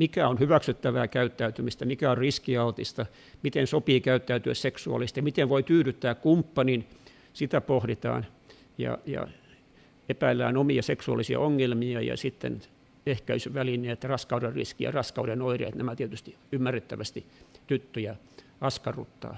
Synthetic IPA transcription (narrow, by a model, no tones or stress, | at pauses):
mikæonhyʋæksyt̪ːæʋæːkæyt̪ːæyt̪ymist̪æmikæorriskiɑut̪ist̪ɑ | mit̪ensopiːkæyt̪ːæyt̪yæ̰sseksuɑ̰lːˑist̪ɑjɑmit̪enʋoit̪yːɾyt̪ːæːkkumpːɑnin | sit̪æpohɾit̪ɑ̰ːn | jɑ̰jɑ̰ | epæilːæ̰ːnomiɑseksuɑ̰lːˑisiɑ̰oŋːelmiɑjɑ̰sit̪ːḛn | ehkæysyʋælinˑeːt̪rɑskɑuderrḭskijɑ̰rɑskɑudenoirḛːt̪næmæt̪iet̪yst̪i | ymːæret̪ːæʋæst̪it̪yt̪ːøjæ | ɑskɑrṵt̪ːɑ̰ː